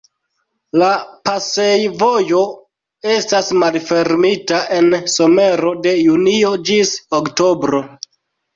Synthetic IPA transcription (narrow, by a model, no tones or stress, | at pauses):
lapasejvo̞jo̞ | e̞stasmalfe̞ɾmitaʔe̞nso̞me̞ɾo̞de̞junio̞d͡ʒisokto̞bɾo̞